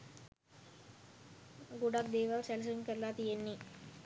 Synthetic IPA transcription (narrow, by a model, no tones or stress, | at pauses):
ɡuɖakd̪eːʋalsɛls̬əuŋkəɾlaːt̪ijenːi